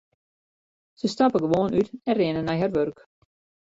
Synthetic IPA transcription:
səstɑpəɡəʋoːnytɛrɪnənɛjɦarʋørk

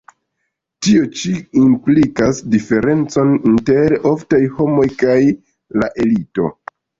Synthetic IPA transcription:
tio̞t͡ʃiimplikasdife̞ɾe̞nt͡so̞ninte̞ɾo̞ftajho̞mo̞jkaj | laʔe̞lito̞̰

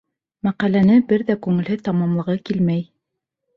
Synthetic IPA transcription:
mæqælænɘbɘɾðækʉŋɘ̆lɦɘt̪ɑmɑmlˠɤ̆ʁɤkilmæj

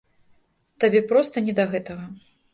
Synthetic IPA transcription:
t̪abʲɛpɾɔst̪ɐnʲɛd̪ɐɣɛt̪ɐɣɐ

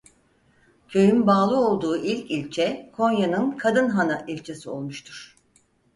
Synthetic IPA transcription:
cʰø̞jynbaːlˠɯo̞lˠd̪uːʔilʲcilʲt͡ʃʰɛkʰo̞njanɯnkʰad̪ɯnɦanaʔilʲt͡ʃʰesio̞̰lˠmuʃt̪ʰuɾ̥

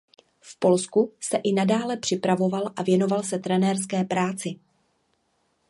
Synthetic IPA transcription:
fpo̞lskusɛʔɪnadaːlɛpr̝̥ɪpɾavo̞valʔavjɛno̞valsɛt̪ɾɛnɛːɾs̬kɛːpɾaːt͡sɪ

